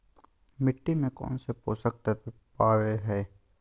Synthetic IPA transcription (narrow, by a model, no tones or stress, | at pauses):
mɪʈːimẽkɔ̰ːnsepoːsək̚t̪ɛt̪opaːɾeɦɛː